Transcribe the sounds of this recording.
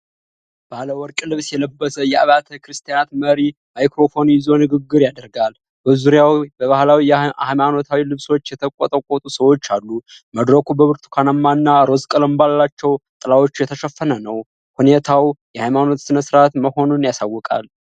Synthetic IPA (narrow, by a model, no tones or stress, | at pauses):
b̥aləwɔɾkʼlɨβsjɛləbːəsəjɛa̰βat̪ʰəkɾɨst̪ʰijanat̪məɾimajkɾo̞fo̞njɪzo̞nɨɡɨɡːɨɾjad̪əɾɡal | bəzuɾjawbəβahlawiamano̞t̪ʰawilɨβso̞t͡ʃːjɛt̪ʰəkʼːɔt̪ʼəkʷʼɔt̪ʼusəwo̞t͡ʃːalːu | məd̪ɾəkʰubəβɨɾt̪ʰu̥kʰanamːaɨnːaɾo̞zkʼələmbalːat͡ʃːɛwt̪ʼɨlawo̞t͡ʃːujɛt̪ʰəʃəfːənənəw | hunet̪ʰawjɛhajmano̞t̪sɨnəsɨɾat̪məho̞nunjasawːɔkʼa̰l